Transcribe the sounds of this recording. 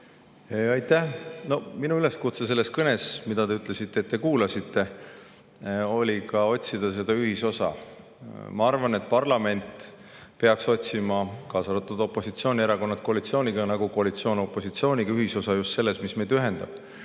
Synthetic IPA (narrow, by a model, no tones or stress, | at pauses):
eɑjt̪ːæno̞minuyle̞skut̪se̞s̬e̞lːe̞skɤne̞smid̪̥ɑd̪e̞yt̪ːˑle̞sit̪ːˑeːt̪ːe̞kuːlɑsit̪ːˑe̞ | o̞lʲikɑo̞t̪ʲsid̪̥ɑs̬e̞d̪̥ɑyɦiso̞sɑ̰ | mɑɑrvɑne̞t̪̚pɑrlɑme̞nt̪ | pe̞ɑkso̞t̪ʲsimɑkɑːsɑɾɑt̪ːˑud̪o̞pːˑo̞sit̪sio̞ːnʲieɾɑko̞nːɑt̪̚ko̞ɑlit̪sio̞ːnʲiɡ̥ɑnɑɡ̥uko̞ɑlit̪sio̞ːnʲopːˑo̞sit̪sio̞ːnʲiɡ̥ɑyɦiso̞sɑjust̪se̞lːe̞smisme̞jd̪yɦe̞nd̪̥ɑ̰b̥